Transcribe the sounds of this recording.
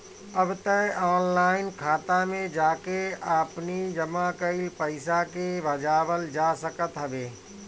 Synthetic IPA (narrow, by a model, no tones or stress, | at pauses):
ɐbt̪əaːnlaːɪnkʰaːt̪amẽd͡ʒaːkeaːpnid͡ʒɐmakəɪlpɐɪsakebʱɐd͡ʒaːʋəld͡ʒaːsəkət̪ɦɐʋeː